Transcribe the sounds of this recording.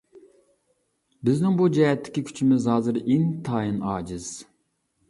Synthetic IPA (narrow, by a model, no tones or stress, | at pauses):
bɪznɪŋbud͡ʒɛɦɛt̪ʰːɪ̥kʲikʲʰy̥t͡ʃʰimɪzhɑːzɨɾeŋt̪ʰɑːjinɑːd͡ʒɪz̥